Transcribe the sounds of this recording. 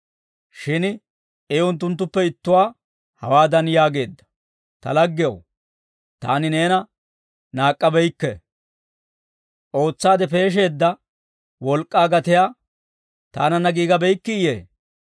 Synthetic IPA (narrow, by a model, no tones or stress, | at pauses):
ʃɪn | ɛʊnt̪̬ːʊnt̪ːʊpːɛɪt̪ːʊwaː | hɐ̰waːd̪ɐnjaːɡe̞ːd̪ːɐ̥ | t̪ɐ̰lɐɡːɪjɐ̰w | t̪a̰ːnɪneːnɐ | naːkʼːɐbɛjkːɛ | ʔo̞ːt͡sːaːd̪ɛpe̞ːʃ̬e̞ːd̪ːɐ | wɔlkʼːaːɡɐt̪ɪjaː | t̪a̰ːnɐnːɐɡiːɡɐbɛjkːɪɪjḛː